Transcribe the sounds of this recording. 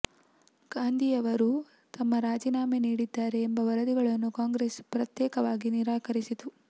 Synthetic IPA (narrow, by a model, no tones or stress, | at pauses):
ɡ̥aːnd̪ʱijɐʋɐɾu | t̪ɐmːɐɾaːd͡ʒiːnaːmeniːɽid̪ːaːɾe̞ːmbɐʋɐɾɐd̪iɡɐɭɐnːukaːŋɡɾespɾɐt̪jɛːkɐʋaːɡiniɾaːkɐɾisit̪u